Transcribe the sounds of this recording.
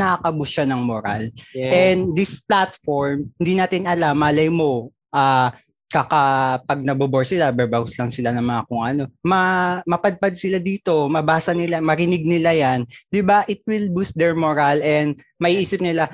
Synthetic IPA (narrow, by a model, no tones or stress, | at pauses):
nɐakɐbʊsanɐŋmoɾa̰lʔɛnd̪ɪsplat̪foɹmhɪnd̪iːnaːt̪ɪnʔɐlamʔaːlɐjmo̞ | ʔaː | kɐkapɐɡ̚nɐboboɹsɪlabɛbawslɐŋsɪlanɐŋmɐŋɐkʊŋʔɐno̞mɐmɐpɐd̪̚pad̪̚sɪlad̪iːt̪o̞mɐbaːsɐnɪlamɐɾɪnɪɡ̚nɪlajand̪ɪbaʔɪt̪̚wɪlbuːst̪̚d̪ɛɹmoɾalɛnd̪̚mɐʔiːʔiːsɪp̚nɪla